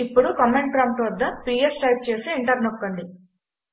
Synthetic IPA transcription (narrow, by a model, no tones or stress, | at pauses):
ipːuɽukɐmeɳʈpɾaːmʈʋɐd̪ːɐpiːjɐɾsʈɐjp̚t͡ʃe̞ːsiiɳʈɐɾnokːɐɳɖi